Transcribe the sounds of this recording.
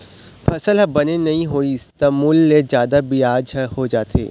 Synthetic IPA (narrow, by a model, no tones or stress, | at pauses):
fɐsəlɦɐbɐnenɐɦĩɦoːiɪst̪amuːlːezjaːd̪abiaːd͡ʒhod͡ʒaːt̪ʰḛː